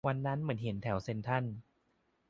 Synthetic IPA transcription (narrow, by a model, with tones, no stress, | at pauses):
wa˧nːa˦˥nmɯ˩˦nɦe˩˦nt̪ʰɛ˨˩˦wse˧nt̪ʰa˥˩n